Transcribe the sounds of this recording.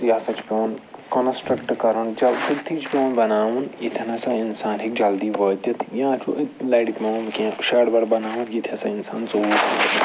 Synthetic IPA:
jaːsɐt͡ʃʰpʲoːnkɐnsʈɾɐkʈkɐɾɐnd͡ʒɐlit̪ʰːit͡ʃʰpʲõːnbɐnaːʋunjit̪ʰɐnɐsɐinsaːnɦik̚d͡ʒɐld̪iːʋəːt̪ɐt̪ʰjãːt͡ʃʰuʔlɐːʈikʲmemkʲẽːʃɐːɽbɐɽbɐnaːʋunjit̪ʰʲɐsɐinsaːnt͡souːt̪ː

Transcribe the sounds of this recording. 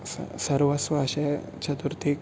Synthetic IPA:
ssɐɾʋɐsʋɐːʃe | t͡ʃʰɐt̪uɾt̪ʰik

